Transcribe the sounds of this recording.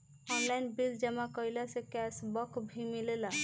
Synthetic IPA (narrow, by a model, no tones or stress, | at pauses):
ɔnlajnbild͡ʒɛmãkɔjlasekɛsbɔkʰbʱimilela